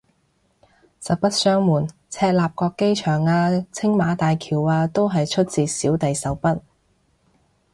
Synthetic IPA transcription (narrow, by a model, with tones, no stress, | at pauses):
sɐ˨˧wpɐ˥t̚sœː˥ŋmuː˨˩n | t͡sʰɛː˧t̚laː˨p̚kɔː˧kːe˥jt͡ʃʰœː˨˩ŋaː˧t͡sʰɪ˥ŋmaː˨˧˥t̪aː˨jkʰiː˨˩waː˧t̪o˥wɦɐ˨jt͡ʃʰɵ˥t̚t͡siː˨siː˨˥wt̪ɐ˨jsɐ˨˥wpɐ˥t̚